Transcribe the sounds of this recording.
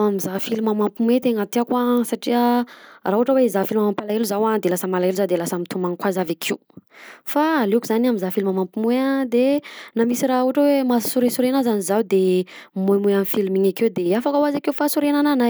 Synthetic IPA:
amizafilimamampimuet̪eŋat̪iakwasaʈ͡ʂiəraɦuʈ͡ʂəweizafilimamampalaeluzawad̪elasəmalaeluzad̪elasamit̪umaŋkwazavakʰiwfaːlekuzanamizafilimamampimuead̪enamisiɾauaʈ͡ʂawemasuɾesuɾenazanizawd̪emumujamifilimiɲakewd̪eafakawazakeufasuɾenananaj

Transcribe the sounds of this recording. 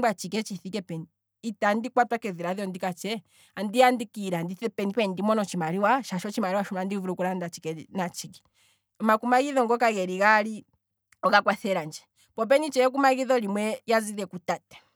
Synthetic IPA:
ɡat͡ʃikɛt͡ʃiθikɛpɛni | itandikwatwakɛðiɾaðjɔndikat͡ʃɛ | andiandikiɾandiθɛpɛnipɛndimɔnɔt͡ʃimaɾiwaʃaʃɔt͡ʃimaɾiwaʃumlandivuɾukulandat͡ʃikɛnat͡ʃikɛ̥ | ɔmakumaɣiðɔŋɡɔkaɣɛɾiɣali | ɔɣakwaθɛɾand͡ʒɛ | pɔp̬ɛnit͡ʃɛɛk̬umaɣiðɔlimwɛjaziɾɛkutatɛ̥

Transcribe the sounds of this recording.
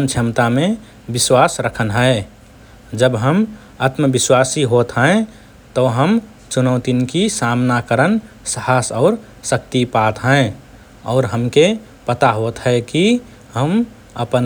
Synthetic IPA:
nt͡ʃʰəmt̪amẽ | bɪswasɾəkʰənɦəe | d͡ʒəbɦəm | at̪məbɪswasiɦot̪ɦə̃e | t̪ɔɦəm | t͡ʃunəʊt̪inkisamnakəɾənsəhasɔʊɾ | sək̚t̪ipat̪ɦə̃e | ɔ̰ːɾɦəmke | pət̪aɦot̪ɦəeki | ɦəm | əpən

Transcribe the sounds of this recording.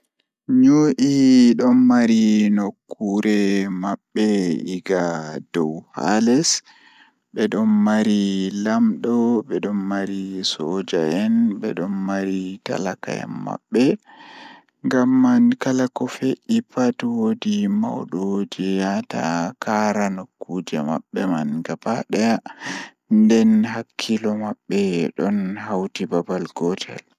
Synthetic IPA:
ɲuʔiɗɔnmaɾinokːuɾɛmaɓːɛiɡadɔwha̰lɛs | ɓɛɗɔnmaɾilamɗɔɓɛɗɔnmaɾisɔd͡ʒaɛnɓɛ̰ɗɔnmaɾita̰laka̰ɛ̰mːa̰ɓːɛ | ŋɡamːankalakɔfeɗipatwodima̰wɗɔd͡ʒɛjata̰kaɾanokːud͡ʒɛma̰ɓːɛmanɡapaɗɛa | ndɛnɦakʰːilɔmaɓːɛɗɔnɦawtibabalɡɔtʰɛ̰l

